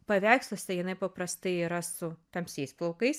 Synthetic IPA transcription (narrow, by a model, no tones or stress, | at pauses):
pɐʋʲæːkslˠosʲɐjɪnɐɪpɐpɾɐst̪ɐɪiːɾɐsʊt̪ɐmʲsʲɛɪsplˠoʊkɐɪs